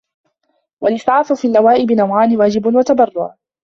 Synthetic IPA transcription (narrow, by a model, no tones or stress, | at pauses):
walɪθʕaːθufiːlːawaːʔɪbɪnawʕaːnɪwaːd͡ʒɪbʊnwat̪abɑrˤːʊʕ